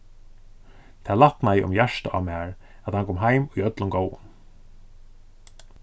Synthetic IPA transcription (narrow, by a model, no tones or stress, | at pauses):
t̪ʰaːlaht̪najɪʔʊ̰mjæʂt̪aʔamaːɹ | æt̪hankʰɔːmɦajmujœt̪lʊmɡoːwwʊ̰n